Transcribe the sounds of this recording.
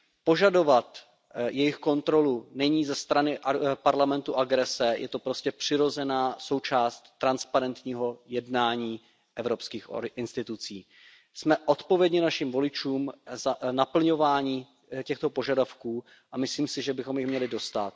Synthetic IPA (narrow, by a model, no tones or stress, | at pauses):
po̞ʒado̞vat̪ | jɛjɪxko̞nt̪ɾo̞lunɛɲiːzɛst̪ɾanɪʔpaɾlamɛnt̪uʔaɡɾɛsɛjʔɛ̰t̪o̞pɾo̞scɛpr̥ɪɾo̞zɛnaːso̞wt͡ʃaːst̪t̪ːɾanspaɾɛnt̪ɲiːɦo̞jɛdnaːɲiː | ʔɛvɾo̞pskiːxʔɪnst̪ɪt̪ut͡siː | smɛʔo̞t̪po̞vjɛdɲɛnaʃimvo̞lɪt͡ʃuːmzanapl̩ɲovaːɲiː | cɛxt̪o̞po̞ʒadafkuː | ʔamɪsliːmsɪʒɛbɪxo̞mjɪxmɲɛlɪdo̞st̪at̪̚